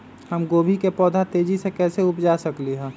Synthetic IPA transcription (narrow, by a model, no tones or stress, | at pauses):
həmɡoːbʱikepɔːd̪ʱat̪eːd͡ʒisekɛːseʊpd͡ʒasəkliɦɛ̃ː